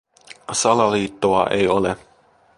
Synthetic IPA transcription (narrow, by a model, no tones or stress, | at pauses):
sɑlɑliːt̪ːoɑʔejole